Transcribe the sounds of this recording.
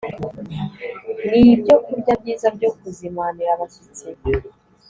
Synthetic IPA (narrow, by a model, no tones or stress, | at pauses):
nibɟo̞ʔibɟabɟiːzabɟokuzimaniɾaβasit͡se